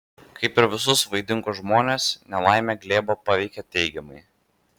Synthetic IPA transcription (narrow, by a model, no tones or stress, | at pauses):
kɐɪpɪɾʋʲɪsʊsʋɐɪd̪ʲɪŋˑkʊʒmoːnʲeːsnʲɛlˠɑˑɪmʲeːɡlʲeːboːpɑʋʲɛɪkʲɛt̪ʲɛɪɡʲɛmɐɪ